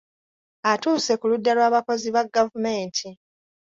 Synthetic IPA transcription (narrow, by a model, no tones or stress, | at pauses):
atuːse̞kuludːalwaːβako̞ziβaɡːavume̞ːntʰi